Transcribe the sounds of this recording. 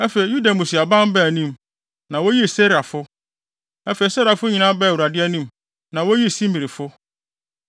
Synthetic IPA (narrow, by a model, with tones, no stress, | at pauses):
æ˦fe˨i˨ju˦da˨mũ˨si˨a˨bã˦m˦bæ˦˨nĩ˦˨m | nã˨wo˦ji˦˨se˦ɾa˨fʊ˦ | æ˦fe˨i˨sɛ˦ɾa˨fʊ˦ɲĩ˨nã˦bɛ˦˨u˨ɾa˨dɪ˦ɛ˦nĩ˦m | nã˨wo˦ji˦˨sĩ˦mi˨ɾɪ˨fʊ˦